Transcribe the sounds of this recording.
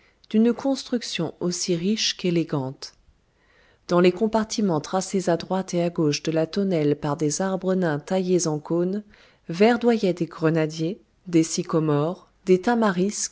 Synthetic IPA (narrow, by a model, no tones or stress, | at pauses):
d̪̥ynkɔ̃st̪χyksjɔ̃osiʁiʃkeleɡɑ̃t̪ | d̪̥ɑ̃lekɔ̃paʁt̪imɑ̃t̪χasezad̪ʁwat̪eaɡoʃd̪əlat̪ɔnɛlpaʁd̪ezaʁbʁənɛ̃t̪ajezɑ̃kon | vɛʁd̪wajɛd̪eɡʁənad̪je | d̪esikɔmɔʁ | d̪et̪amaʁisk